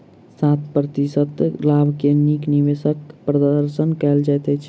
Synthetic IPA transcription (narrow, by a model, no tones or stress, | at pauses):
sat̪̚ʰpɾət̪isət̪labʱkenikniʋesəkpɾəd̪əɾsənkɛld͡ʒajt̪ət͡ʃʰ